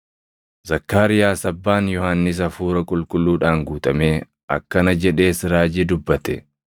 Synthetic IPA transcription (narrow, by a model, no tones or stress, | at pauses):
zɐkːaːɾɪjaːsɐbːaːnjɔhanːɪs̬ɐfuːɾɐkʼʊlkʼʊlːuːᶑaːŋɡuːt̪ʼɐme̞ː | ʔɐ̰kːɐnɐd͡ʒɛᶑe̞ːsɪɾaːd͡ʒɪd̪ʊbːɐt̪ɛ